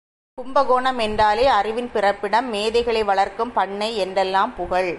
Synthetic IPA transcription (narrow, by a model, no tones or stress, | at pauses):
kʊmbɐɣoːɳɐmɛndraːleːɐrɪʋɪnpɪrɐpːɪɽɐmːeːðɐɪɣɐɭɐɪʋɐɭɐɾkɯmpɐɳːɐɪɛndrɛlːaːmpʊɣɐɭ